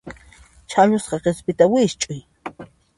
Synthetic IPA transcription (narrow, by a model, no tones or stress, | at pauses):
t͡ʃʰaɲʊsqɑqespɪt̪awɪʃt͡ʃʼʊj